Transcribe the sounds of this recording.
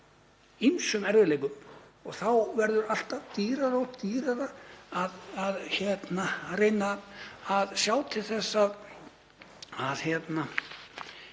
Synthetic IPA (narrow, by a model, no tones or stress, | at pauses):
insʏmɛɾvɪleːjkʏmɔɣθawvɛɾðʏɾal̥t̪avt̪iːɾaðɔɣt̪iːɾaðaaðaðçɛt̪narejnaː | ðsjaːwt̪ʰɪlθɛsːað | aðçjɛt̪na